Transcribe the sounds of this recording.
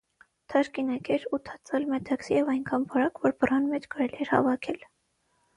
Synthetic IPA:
t̪ʰɑɾkinɑkɛɾut̪ʰɑt͡sɑlmɛt̪ʰɑksijɛvɑjŋkʰɑnbɑɾɑkvɔɾpərɑnmɛt͡ʃʰkɑɾɛliɛɾhɑ̰vɑkʰɛl

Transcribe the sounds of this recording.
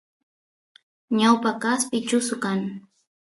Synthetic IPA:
ɲawpakaspɪt͡ʃʊsʊkaŋ

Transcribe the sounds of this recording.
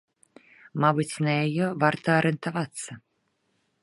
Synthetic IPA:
mabɨt͡sʲnɐjajɛvart̪ɐːɾɛnt̪avat̪sːɐ

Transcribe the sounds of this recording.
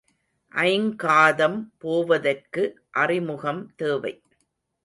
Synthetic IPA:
ʔɐɪŋkaːðɐmpoːʋɐðɐrkɯ | ʔɐrɪmʊɣɐmt̪eːʋɐ̰ɪ

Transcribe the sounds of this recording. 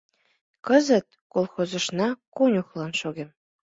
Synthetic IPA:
kɤ̆zə̆t̪̚kolˠxozɤ̆ʃnɑkunʲuχlˠɑnʃoɣʲem

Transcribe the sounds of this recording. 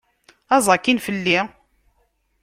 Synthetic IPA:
ɑzˤɑkːinfəlːi

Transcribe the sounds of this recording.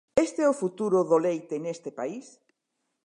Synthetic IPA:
est̪eɛʊfut̪uɾʊðolejt̪enest̪ɪpais

